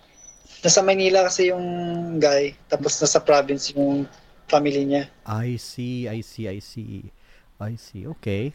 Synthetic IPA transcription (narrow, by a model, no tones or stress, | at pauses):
nɐsɐmɐjniːlɐkɐsɛjʊŋɡajt̪aːposnasɐpɾaːbɪnsjʊŋ | pamɪliɲaʔajsiʔajsiʔajsḭ | ʔajsḭʔoːkɛj